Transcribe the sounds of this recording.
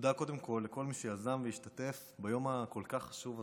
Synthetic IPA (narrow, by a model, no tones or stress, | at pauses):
d̪ako̞d̪e̞mko̞lːeko̞lmiʃejazanvejiʃt̪at̪e̞f | bajo̞mhako̞lkaχːḁʃuva